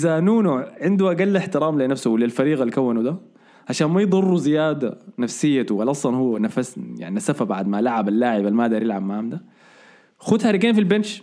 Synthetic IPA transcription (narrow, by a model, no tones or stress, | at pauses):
ʔɪzanuːnuʕɪnd̪uʔaɡalːaħt̪ɪɾaːmlɪnafsʊwlɪlfaɾiːɣalkawːanud̪a | ʕaʃaːnmajd̪ˤɨrˤːuzɪjaːd̪anafsɪjːat̪walʔɑsˤlɑnhuwːanafasja̰ʕniasafabaʕd̪malaʕabalːaːʕɪbalmaːd̪aːɾjɪlʕabmaʕamd̪a | xʊd̪haɾɪɡeːnfilbɪnʃ